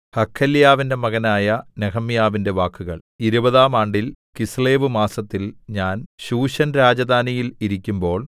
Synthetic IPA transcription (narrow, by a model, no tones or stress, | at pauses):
hɐkʰːɐljaːʋinde̞mɐɣɐnaːjɐneɣɐmijaːʋinde̞ʋaːkːuɣɐɭ | iɾubɐðaːmaːɳɖilkisleːʋɨmaːsɐt̪ːilɲaːnɕuːɕɐnɾaːd͡ʑɐd̪ʱaːnijiliɾikʲːumbo̞ːɭ